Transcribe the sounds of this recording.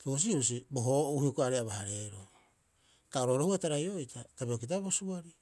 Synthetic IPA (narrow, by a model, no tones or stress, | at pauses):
keus̬iɾus̬iboɦouhiokoaɾeaβahaɾe̞ɾo | taoɾoɾohuataɾajo̞itʰatabiokit̬aβosuaɾi